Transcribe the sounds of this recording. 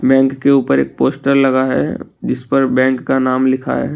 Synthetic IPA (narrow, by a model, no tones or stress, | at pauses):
bɛ̃ːŋkːeuːpəɾḛːk̚poːsʈəɾlɐɡaɦɛ̰d͡ʒɪspəɾbɛ̃ːŋkːanaːmlɪkʰa̰ɦɛ̰